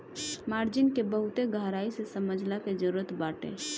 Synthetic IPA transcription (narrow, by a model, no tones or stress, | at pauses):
maːɾd͡ʒɪnkebəɦʊt̪eɡʱaːɾaːisesəməd͡ʒʱlaked͡ʒəɾuːɾət̪baːʈḛ̃ː